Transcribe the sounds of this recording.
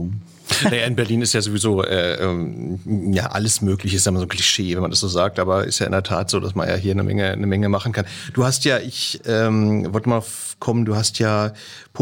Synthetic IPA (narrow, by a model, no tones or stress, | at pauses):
najaːɪnbɛɐliːnɪstjaːzoːvizoːʔɛːʔɛːm | ja̰ːʔa̰ləsmøːklɪçəsz̥anmazoːnkʰl̥iʃeːvɛnmandasz̥oːzaːk̚tʔaːbɐʔɪ̰stjaːʔɪ̰ndeːɐtʰaːtz̥oːda̰sma̰nja̰ːɦiːɐnə̰mʔɛ̰ŋənəmɛŋəmaχn̩kʰand̥uːhastjaːʔɪçʔɛːmvɔltəmaf | kʰɔmənduːhastjaː | pʰ